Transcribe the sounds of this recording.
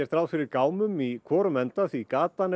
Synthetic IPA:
ɛɾ̥t̪ɾaːwfɪɾɪɾkaːwmʏmikʰɔːɾʏmɛnt̪aθikaːt̪an

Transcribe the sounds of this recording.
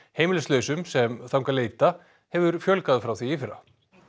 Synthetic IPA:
heːjmɪlʏslœːɥsʏmsɛmθawŋkaleːjt̪a | hɛvʏɾfjœlkaðfɾawθiifɪɾa̰

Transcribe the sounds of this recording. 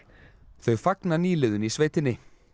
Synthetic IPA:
θœɥfaknaniːlɪðʏnisveːjt̪ɪnːɪ

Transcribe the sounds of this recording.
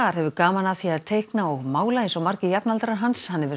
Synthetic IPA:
aɾ̥hɛvʏkaːmanaðθiaðt̪ʰejhknaɔɣmaːwlaensawmaɾ̥cɪjapnalt̪ɾaɦanshanːɛvɪ

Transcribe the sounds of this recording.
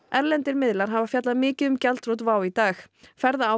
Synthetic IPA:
ɛɾlɛnt̪ɪɾmɪðlaɾ̥ɦaːvafjat̪laðmɪːcɪðʏmcalt̪ɾut̪vaːwit̪aːx | fɛɾðaa

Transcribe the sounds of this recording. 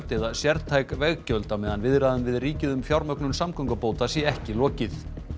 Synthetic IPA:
t̪ɛðasjɛɾðt̪ʰajkvɛɣcœlt̪amɛːðanvɪðɾaðʏmvɪðriːcɪðʏmfjawɾmœknʏmsamkɔŋkapoːwt̪asjɛɛhcɪlɔːcɪθ

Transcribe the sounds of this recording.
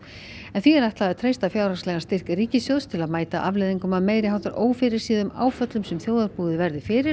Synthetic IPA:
ɛnθiɛɾajht̪laðɛt̪ʰɾeːjst̪afjaːwɾaslɛɣanst̪ɪr̥kɾiːcɪsjowst̪ʰɪlaðmaːjt̪a̰ʔavlejðiŋkʏmaðmeːjɾɪhawt̪aɾʔoːwfɪɾɪɾ̥siːðʏma̰ːwfœt̪lʏmsɛmθjoːwðaɾpuːðɪvɛɾðɪfɪːɾɪɾ

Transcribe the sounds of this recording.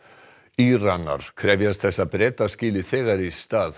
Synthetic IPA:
irana̰ɾ̥kʰɾɛvjast̪θɛsːapɾeːt̪ascɪːlɪθɛːɣaɾist̪aːð

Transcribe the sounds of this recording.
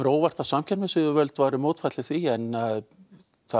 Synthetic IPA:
ɾoːwvaɾ̥t̪ʰasamcʰɛnmɛsʏðʏvœlt̪vaːɾʏmoːwt̪fajt̪lɪθviɛnːað | θa

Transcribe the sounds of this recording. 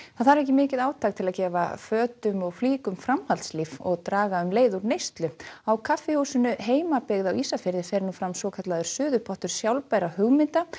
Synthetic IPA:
θaðθaɾɛhcɪmɪːcɪðaːwt̪ʰaːkt̪ʰɪlaðcɛːva̰fœːt̪ʏmɔɣfliːkʏmfɾamhalt̪slivɔ̰ɣt̪ɾaːɣaʏmleːjðuɾnejst̪lʏawkʰafːɪhusʏnʏɦeːjmapɪɣðawiːsafɪɾðɪfɛɾnufɾamsɔːkʰat̪laðʏɾ̥sʏːðʏpʰɔht̪ʏɾ̥sjawlpajɾahʏɣmɪnt̪a

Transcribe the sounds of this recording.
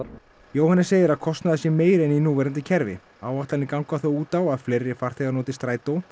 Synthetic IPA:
joːwhanːɪseːjðɪɾaðkʰɔst̪naðasjɛmeːjɾɛninuːvɛɾant̪ɪcʰɛɾvɪ̰ | aːwaht̪lanɪkawŋkvaθowuːt̪awaðfleːjɾːɪfar̥t̪ʰɛɣanɔːt̪ɪst̪ɾaːjt̪ow

